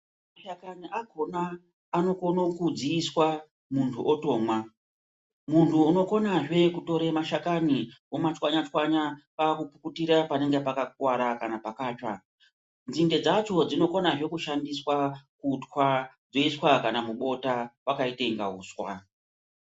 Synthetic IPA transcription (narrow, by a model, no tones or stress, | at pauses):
maʃakaniʔaɡʱo̞naː | no̞ko̞no̞kud͡ziːswa | muntʰuʔoto̞ːmwa | muntʰuːno̞ko̞naʐe̞kuto̞ɾemaʃakaniomat͡ʃwaɲat͡ʃwaɲakakupukutiɾapaneŋɡepakakwaɾakanapakaːt͡ʃa | nd͡zinde̞d͡zat͡ʃo̞d͡zino̞ko̞naʐe̞kuʃandiswakutwa | d͡zo̞iswakanamuɓo̞tawakaite̞ŋɡauːswa̰